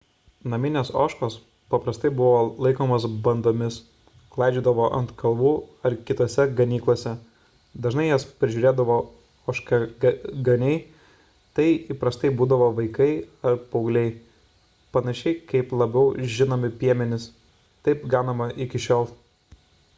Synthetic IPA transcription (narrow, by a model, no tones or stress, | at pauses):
nɐmʲɪnʲeːsoːʃkoːs | pɐpɾɐst̪ɐɪbʊʋoːlˠɐɪkoːmɐːsbɐnd̪oːmʲɪs | klˠɐɪd͡ʒʲuːd̪ɐʋoːʔɐ̰nt̪kʰɐlˠʋuːɐɾkʲɪt̪oːsʲɛɡɐnʲiːklˠoːsʲɛ | d̪ɐʒnɐɪjɛspʲɾʲɪʒʲuːɾʲeːd̪ɐʋoː | oːʃkɐɡɐnʲɛɪ | t̪ɐɪiːpɾɐst̪ɐɪbuːd̪ɐʋoːʋɐɪkɐɪɐɾpɐʊɡlʲɛɪ | pɐnɐʃʲɛɪkɐɪplˠɐbʲɛʊʒʲɪnoːmʲɪpʲiɛmʲɛnʲɪs | t̪ɐɪpɡɑːnɐmɐʔɪkʲɪʃʲoːlˠ